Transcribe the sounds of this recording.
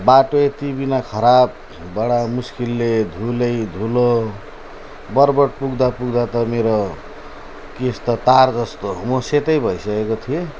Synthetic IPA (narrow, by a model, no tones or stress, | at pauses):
baʈoet̪ibinakʰʌɾab̚ː | ʌɽamuskilːed̪ʱulʌjd̪ʱulo | bʌrbʌʈ̚puɡd̪apuɡd̪at̪ʌmeɾo | kist̪ʌt̪ard͡zʌst̪oɦumoset̪ʌjbʱʌisʌkekot̪ʰie